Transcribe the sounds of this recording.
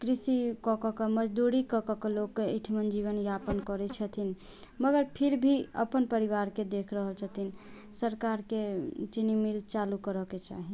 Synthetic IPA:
kɾisikɔkɔkɔməd͡ʒd̪uɾikɔkɔkelokːeiʈʰmənd͡ʒiβənjapənkɔɾɛt͡ʃʰət̪ʰin | məɡəɾpʰiɾbʱiə̰pənpəɾiβaɾked̪ekʰɾəɦəlt͡ʃʰət̪ʰin | səɾkaɾket͡ʃinimilt͡ʃalukəɾəket͡ʃa̰ɦi

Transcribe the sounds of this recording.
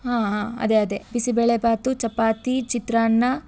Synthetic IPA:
ɦãːɦãːɐ̰d̪eɐd̪ebisibeɭebaːt̪ut͡ʃɐpaːt̪it͡ʃit̪ɾaːnːɐ

